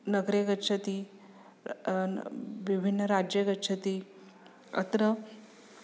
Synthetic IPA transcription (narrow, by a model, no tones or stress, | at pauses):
nəɡɾeɡətːʂʰət̪i | ʋibʱinːəɾad͡ʑjeɡətːʂʰət̪i | ə̰t̪ɾə